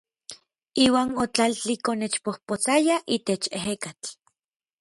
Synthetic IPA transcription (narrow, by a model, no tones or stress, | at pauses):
iːwaːnot͡ɬalt͡ɬikonet͡ʃpohpot͡sajaʔiːt̪et͡ʃeɦekat͡ɬ